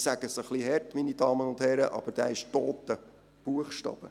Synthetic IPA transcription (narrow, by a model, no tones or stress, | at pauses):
sæɡ̥əsəχlihɛɾtminid̥ɑːmənʊndhɛɾəʔɑ̰b̥əɾd̥æ̰ːɪʃtoːt̪ə | b̥uəχʃtɑ̰ːb̥ə